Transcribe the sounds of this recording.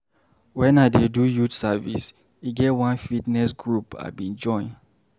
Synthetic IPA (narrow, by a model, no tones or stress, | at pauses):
wɛ̃naɪdedujutsavḭs | iɡɛwãnfitnɛsɡɹupa̰bĩnd͡ʒɔ̃ɪ̃n